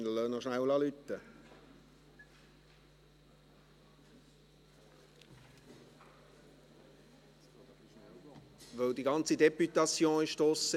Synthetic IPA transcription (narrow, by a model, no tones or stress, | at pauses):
nl̩ənɔʃnæwlɑːlyt̪ːə | ʋœwdiɡɑnt͡sidepyt̪ɑsjõːɪʃʃtɔsə